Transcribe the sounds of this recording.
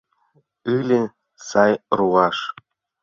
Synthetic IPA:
ɯlʲɘ̆ | sɑjruɑʂ

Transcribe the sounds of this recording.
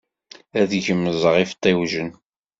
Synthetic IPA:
æðʝəmːəzˤəʁift̪ˤːiwʒən

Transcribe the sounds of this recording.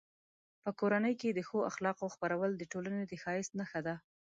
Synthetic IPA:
pəkoɾanəjked̪əxoaxlɑqoxpaɾawəld̪əʈolaned̪əxɑjɪst̪naxad̪a

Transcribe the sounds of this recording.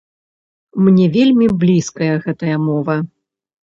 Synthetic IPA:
mnʲɛvʲelʲmʲiblʲiskɐjɐɣɛt̪ɐjɐmɔvɐ

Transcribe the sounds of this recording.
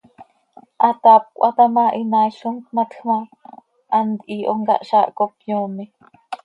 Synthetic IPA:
ʔat̪ap̚kʷʔat̪amaʔinaʃunk̪mat̪xma | ʔːnt̪iʔoŋɡa̰ʔʃaʔkopjoːmi

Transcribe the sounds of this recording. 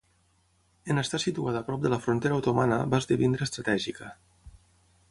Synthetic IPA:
ənəst̪asit̪uaðəːpɾɔp̚d̪ələfɾunt̪eɾəːwt̪omanəβazd̪iβind̪ɾəːst̪ɾət̪ɛʒikə

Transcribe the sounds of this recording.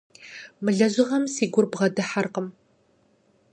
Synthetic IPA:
mɨɮɐʑɪʁɐmsiːɡʷʊrbʁɐdɨħarqəm

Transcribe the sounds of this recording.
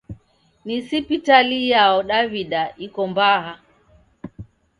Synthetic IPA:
nisipitalijaɔɗaviɗaʔikɔmbaɦa

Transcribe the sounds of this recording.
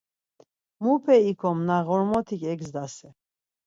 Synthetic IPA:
mupʰɛikʰɔmnaɣɔɾmɔt̪ʰikʼɛɡzd̪asɛ

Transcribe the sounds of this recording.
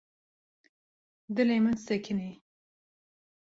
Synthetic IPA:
d̪ɨleːmɨnsɛkʰɨne

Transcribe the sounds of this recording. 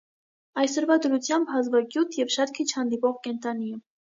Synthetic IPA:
ɑjsɔɾvɑd̪əɾut͡sʰjɑmbɦɑzvɑɡjut̪ʰjɛvʃɑt̪̚kʰit͡ʃʰhɑnd̪ipɔʁkɛnt̪ɑniə

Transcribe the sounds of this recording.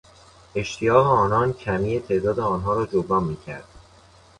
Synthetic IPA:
e̞ʃt̪ʰijɒːɦeɒːnɒːncʰæmiːet̪ʰe̞ʔd̪ɒːd̪eɒːnɦɒːɾɒːd͡ʒobɾɒːmmiːcʰæ̰ɾd̪̥

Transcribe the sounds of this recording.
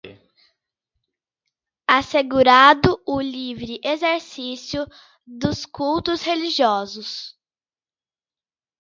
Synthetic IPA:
aseɡuɾad̪ʊʊlivɾɪʔezeɾsisijʊ | d̪ʊskuwt̪ʊsheliʒiɔzʊs

